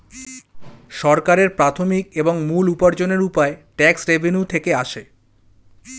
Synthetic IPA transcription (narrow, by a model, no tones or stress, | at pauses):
ʃɔɾkaɾeɾpɾat̪ʰomikeboŋmulupaɾd͡ʑoneɾupaeʈɛksɾebʱenut̪ʰekeaʃe